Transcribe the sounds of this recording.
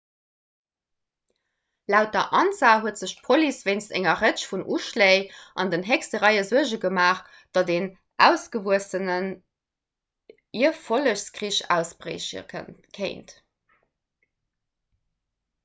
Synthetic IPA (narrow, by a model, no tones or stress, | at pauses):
læʊt̚dɐʔɑnt͡saːɦuətz̥əɕt̚pʰolisveɪnstæ̰ŋɐʁət͡ɕfunʔuʃleɪʔɑndənɦɛkstəʁæɪəzuəʑəɡəmaːχ | d̥ɑdeːn | ʔæ̰ʊsɡ̥əvuəsənən | iɐfoləɕskʁiːɕæ̰ʊsbʁḛɪɕə̰kʰeɪnt